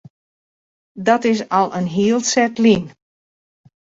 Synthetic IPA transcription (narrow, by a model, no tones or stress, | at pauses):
dɔtɪs̬ɔlˠʔənɦiəlˠsɛtlin